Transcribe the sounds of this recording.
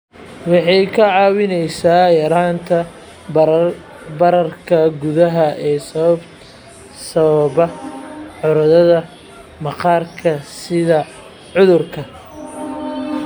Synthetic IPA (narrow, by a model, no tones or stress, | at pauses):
wɑħɑjkʰɐʕɑːwɪnɛjsaːjɐɾaːnt̪ʰɐ | bɐɾɐrkʰɐɡʊðɐɦɐʔɛːsɐβɐb | sɐβɐβɐħʊɾɐðɐðɐ | mɐqɑːrkʰɐsɪðɐ | ʕʊðʊrkʰɐ